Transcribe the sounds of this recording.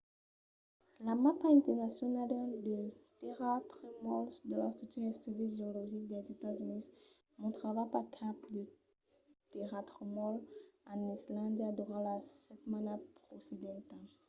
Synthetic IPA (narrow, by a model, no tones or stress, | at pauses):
lamapaɛ̃nt̪ɛʁnasjɔnaldad̪ət̪eʁat̪χəmɔld̪əlast̪χyk̚t̪yʁɛ̃st̪yd̪ezɔlɔʒik̚d̪ɛzet̪azynis | mɔ̃t̪χavapakʰapd̪ə | t̪eʁat̪χəmɔlãnislãd̪iad̪uʁãlasɛt̪mãnapχosed̪ɑ̃t̪a